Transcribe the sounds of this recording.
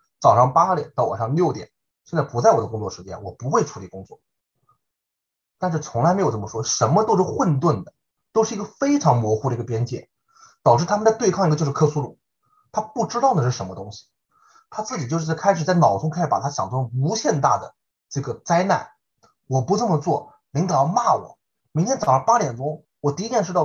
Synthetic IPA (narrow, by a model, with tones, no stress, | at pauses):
t͡sɑ˨˩ʊʂɑ˥˩ŋpa˥ljɛ˨˧˩nt̪ɑ˥˩ʊwa̰˨˩ʂɑ˥˧ŋljo˥˩ʊt̪jɛ̰˨˩˦n | ɕjnt͡sɪpu˧˥t͡sa˥˩ɪwɔ˨˩d̪ə˦kʊ˥ŋt͡swɔ˥˩ʂɻ̩˧˥t͡ɕjɛ̰˥nwɔ˨˩pu˧˥xwe˥˩ɪʈ͡ʂʰu˧˥li˨˩kʊ˥ŋt͡swɔ̰˥˩ | t̪a˥˧nʂɻ̩˥˩t͡sʰʊ˧˥ŋla˧˥me˧˥jʈ͡ʂmə˩ʂwɔ˥ʂə˧˥nmə˧t̪o˥ʊʂɻ̩˥˩xwə˥˧nt̪̬wə˥˩nd̪ə˩ | t̪o˥ʊʂɻ̩˥˩i˧˥ɡə˧fe˥ɪʈ͡ʂʰɑ˧˥ŋmwɔ˧˥xu˥˩ə˩˧˥ə˩pjɛ˥nt͡ɕjɛ̰˥˩ | t̪ɑ˨˩ʊʈ͡ʂɻ̩˥˩t̪ʰa˥m˨˧nt͡sa˥˧ɪt̪wɪkʰɑ˥˩ŋi˧˥ə˧t͡ɕo˥˧ʂɻ̩˥kʰɤ˥su˥lṵ˨˩˦ | t̪ʰa˥pu˥˩ʈ͡ʂɻ̩˥t̪ɑ˥˩ə˩ʂɻ̩˥˩ʂə˧˥nmə˧t̪ʊ˥ŋɕi̥˨ | t̪ʰa˥t͡sɹ̩˥˩t͡ɕi˨˩t͡ɕo˥˧ʊʂɻ̩˥t͡skʰa˥ɪʂ̬ɻ̩˨˩t͡sa˥˩ɪnɑ˨˩ʊʈ͡ʂʊ˥ŋkʰɪʂɻ̩˧˩pa˨˩t̪ʰa˥ɕjɑ˨˩ŋʈ͡ʂʰʊ˥u˧˥ɕjɛ˥˧nt̪a̰˥˩d̪ə˩ | ʈ͡ʂɤ˥˩ɡə˩t͡sa˥ɪna̰˥˩n | wɔ˨˩pu˧˥ʈ͡ʂə˥˩mə˩t͡swɔ˥˩ | ni˧˥ŋt̪ɤ˨˩jɑ˥˧ʊma˥˩wɔ̰˨˩˦ | mi˧˥ŋt̪ʰjɛ˥nt͡sɑ˨˩ə˞˧˥pa˥ljɛ˨˩nʈ͡ʂʊ˥ŋ | wɔ˨˩t̪i˧˥t̪jɛ˥˧nʂ̬ɻ̩˥t̪ɑ˥˩